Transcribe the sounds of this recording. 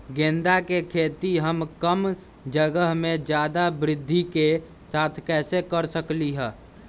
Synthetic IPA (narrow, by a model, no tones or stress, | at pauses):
ɡẽːnd̪akekʰeːt̪iɦəmkəm | d͡ʒəɡəɦmẽd͡ʒjaːd̪abɾɪd̪ʱːike | saːt̪ʰkɛːsekəɾsəkliɦɛː